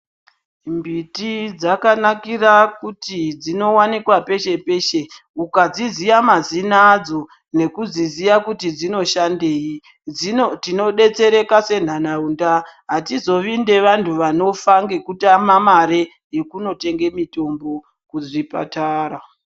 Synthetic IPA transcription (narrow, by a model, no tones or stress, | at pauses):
mbitid͡zakanakirakutid͡zino̞wanikwape̞ʃe̞pe̞ʃe̞ | ukad͡zizijamazinad͡zo̞ | ne̞kuzizijakutid͡zino̞ʃandei | itino̞ɗe̞t͡se̞ɾe̞kase̞n̤anaundaɦatizo̞ʋinde̞ʋantʰuʋano̞faŋɡekutamamaɾe̞ | je̞kuno̞te̞ŋɡe̞mito̞mbo̞ | kuzipa̰taːra